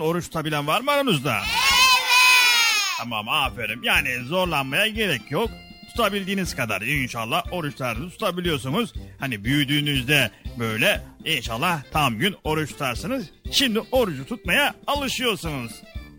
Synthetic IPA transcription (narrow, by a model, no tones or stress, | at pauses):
no̞ɾuʃt̪ʰu̥t̪ʰabilʲænvaɾmaɾonuzd̪a̰ | t̪ʰama̰mafeɾɯmjaːnizo̞ɾlˠanmajaɟe̞ɾɛcʰjo̞k̚ | t̪ʰu̥t̪ʰabilʲd̪iːniz̥kʰad̪a̰ɾinʃa̰lˠːaho̞ɾuʃt̪ˠaɾɯnɯt̪ʰu̥t̪ʰabilʲijo̞ɾsunuz̥hanibyjyd̪yːnyzd̪ɛbø̞jlʲɛinʃalˠːaht̪ʰamɟyno̞ɾuʃt̪ʰu̥t̪ʰaɾsɯnɯz̥ʃimd̪iʔo̞ɾud͡ʒut̪ʰut̪̚majaːlˠɯʃɯjo̞ɾsunuz̥